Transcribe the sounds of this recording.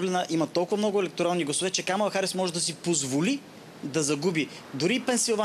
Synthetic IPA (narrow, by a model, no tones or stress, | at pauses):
vlɛnəʔimɐt̪ɔlˠkʊvɐmnɔɡʊɛlɛk̚t̪oɾalˠniɡlˠɐsovɛt͡ʃɛkamɐlˠɐxaɾɛsmɔʒɛd̪ɐsipozvoli | d̪ɐzɐɡubi | d̪ʊɾipɛnsilˠva